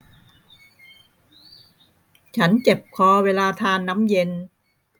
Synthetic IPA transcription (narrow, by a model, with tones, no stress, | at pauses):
t͡ɕʰa˦˥nt͡ɕe˨˩p̚kʰɔː˧weː˧laː˧t̪ʰaː˧nːa˦˥mje˧n